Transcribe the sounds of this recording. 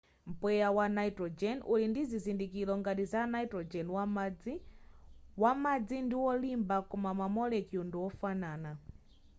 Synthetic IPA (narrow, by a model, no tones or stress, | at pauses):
m̩pwɛjawanaitɾɔd͡ʒɛnulindizizindikilɔŋɡatizanaitɾɔd͡ʒɛnwa | wamad͡zindiwɔlimbakɔmamamɔlɛkiunduwɔfanaːna